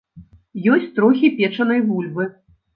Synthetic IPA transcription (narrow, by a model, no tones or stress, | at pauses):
jɔsʲt͡sʲt̪ɾɔxʲipʲɛt͡ʂɐnɐjvulʲbɨ